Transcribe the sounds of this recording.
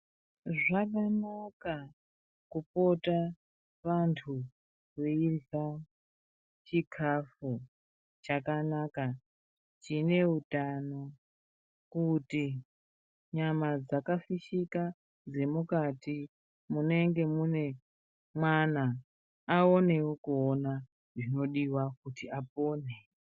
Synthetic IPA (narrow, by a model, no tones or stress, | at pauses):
ʐakanaka | kupo̞ta | ʋantʰu | ʋeiva | t͡ʃikʰafu | t͡ʃakanaka | t͡ʃine̞utano̞ | kuti | ɲamad͡zakafiʃika | d͡ze̞mukati | mune̞ŋɡe̞mune̞ | mwanaː | o̞ne̞wokuona | ʐino̞ɗiwakutiap̚oːne